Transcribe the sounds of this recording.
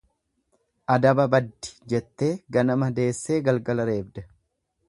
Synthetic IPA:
ʔɐd̪ɐbɐbɐd̪ːɪ̥d͡ʒɛt̪ːe̞ːɡɐnɐmɐd̪e̞ːsːe̞ːɡɐlɡɐlɐɾe̞ːbd̪ɐ̥

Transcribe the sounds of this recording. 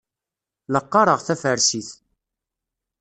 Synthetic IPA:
ləqːɑɾˤəʁθæfəɾsiθ

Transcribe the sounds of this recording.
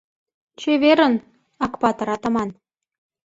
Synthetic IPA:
t͡ɕeβeɾə̆n | ɑkpɑt̪ɤɾɑt̪ɤ̆mɑn

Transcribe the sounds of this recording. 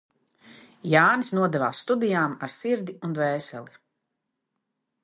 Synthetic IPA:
jaːnisnuɔd̪ɛva̰ːsːt̪ud̪ijaːmaɾsiɾd̪ʲiund̪vɛːsɛ̰lˠi

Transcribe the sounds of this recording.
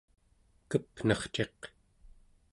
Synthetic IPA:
kəpnʌχt͡ʃe̞q

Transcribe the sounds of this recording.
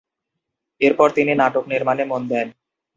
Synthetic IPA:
eɾpɔɾt̪ininaʈokniɾmanemond̪ɛn

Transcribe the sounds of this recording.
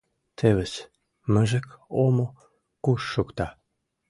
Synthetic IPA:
t̪ʰeβes | məʒə̆komo | kuʃːukt̪ɑ

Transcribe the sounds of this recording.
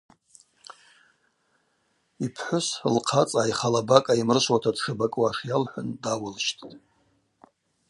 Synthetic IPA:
ipʰħʷʊslqʰat͡sʼajχalabakʼaimrɨʃʷwatʰadʂɨbakʼwaʂjalħʷʊndawʊlʃtʼtʼ

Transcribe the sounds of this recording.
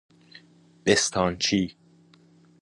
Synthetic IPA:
b̥est̪ʰɒːnt͡ʃʰiː

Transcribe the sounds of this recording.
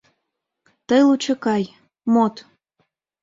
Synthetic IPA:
t̪əjlut͡ɕə̆kɑj | mot̪

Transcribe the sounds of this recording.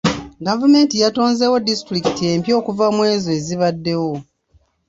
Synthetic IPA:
ɡavume̞ːntijato̞ːnzewodistuɾiki̥tie̞ːmpjo̞ːkuvamwe̞ːzoeziβadːe̞wo̞

